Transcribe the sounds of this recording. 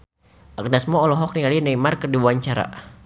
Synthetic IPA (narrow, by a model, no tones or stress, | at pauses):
ʔak̚nasmɔːlɔɦɔk̚niŋalinaimarkərdibuwaɲt͡ʃaɾa̰